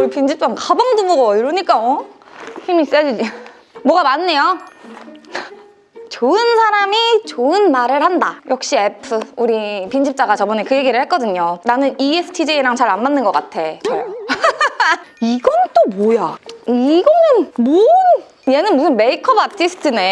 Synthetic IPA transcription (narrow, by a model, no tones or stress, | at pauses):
ɾipind͡ʑip̚t͡ɕ͈aŋkabaŋdumoɡʌiɾʌɲik͈açimis͈ed͡ʑid͡ʑi | mwʌɡamanːe̞jo | t͡ɕoɯnsʰaɾamit͡ɕoɯnmaɾɯɭhandajʌk̚ɕ͈iepʰɯuɾipind͡ʑip̚t͡ɕ͈aɡat͡ɕʌbʌnekɯje̞ɡiɾɯɭhek͈ʌdɯɲonanɯniesʰɯ̥tʰid͡ʑeiɾaŋt͡ɕaɾanmanːɯnɡʌk͈atʰe̞t͡ɕʌj | iɡʌnt͈omojaiɡʌnɯnmon | je̞nɯnmusʰɯnme̞ikʰʌbatʰisʰɯ̥tʰɯne̞